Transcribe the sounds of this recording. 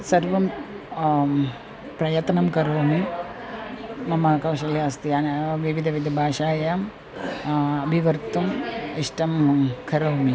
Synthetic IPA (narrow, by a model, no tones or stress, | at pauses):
sɐɾʋɐm | pɾɐjɐt̪nɐmkɐɾoːmi | mɐmɐkɐwʃɐljaːst̪ijaːnɐʋiʋid̪ʱɐʋid̪ʱɐbʱaːʃaːjaːm | ɐbʱiʋɐɾt̪umiʂʈɐmkʰɐɾɐːmi